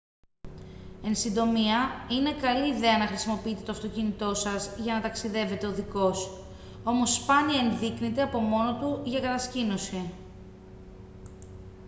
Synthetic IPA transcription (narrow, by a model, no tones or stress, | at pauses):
e̞nsind̪o̞miɐine̞kɐliːðe̞ɐnɐxɾisimo̞piit̪e̞t̪oft̪o̞cinit̪o̞sɐzʝɐnɐt̪ɐksiðe̞ve̞t̪e̞o̞ðiko̞s | o̞mo̞spɐniɐenðiknit̪eɐpo̞mo̞no̞t̪uʝɐkɐt̪ɐscino̞si